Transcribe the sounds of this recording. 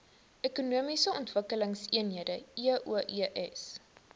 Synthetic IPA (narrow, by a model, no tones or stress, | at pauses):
ʔekunuəmisəɔntvəkələŋsiənɦiədəiəʔuəʔiʔɛs